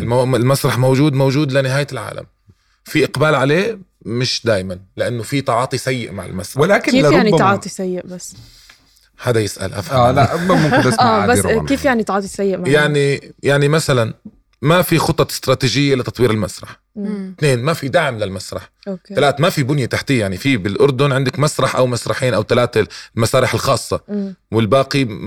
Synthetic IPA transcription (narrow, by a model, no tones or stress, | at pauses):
mɪlmasɾˤɑħmowʒuːd̪mowʒuːd̪lɪnɪɦaːjlʕa̰ːla̰m | fiʔɪqbaːlʕaleː | mɪʃd̪aːjmanlɪʔanːofit̪ˤɑʕɑːt̪ˤisajːɪ̰ʔmaʕɪ̰lmasɾɑwɪlaːkɪːjaʕniɑʕɑːt̪ˤisajːɪʔbasː | haːd̪ajɪsʔa̰lʔa̰faalaʔamʊmʔɪabakeːfjaʕnit̪ɑʕɑːt̪ˤisajːɪʔmajaʕnijaʕnimasalan | mafixʊt̪ˤːɑɪst̪ɾˤɑːt̪iːʒɪjːalɪt̪ɑt̪ˤwiːɾɪlmasɾˤɑħ | t̪neːnmafid̪aʕmlɪlmasɾˤɑ̰ħ | oalaːt̪mafibʊnjat̪aħt̪ijaʕnifibɪlʔʊɾˤd̪ʊnʕɪnd̪ɪkmasɾˤɑħʔa̰wmasɾˤɑħiːnʔawt̪alaːt̪almasaːɾɪħɪlxɑːsˤːɑwɪlbaːqi